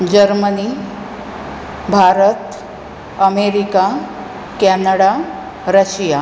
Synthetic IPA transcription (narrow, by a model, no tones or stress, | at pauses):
d͡ʑəɾməni | bʱaɾət̪ | əmeɾika | kɛnəɽa | ɾəɕija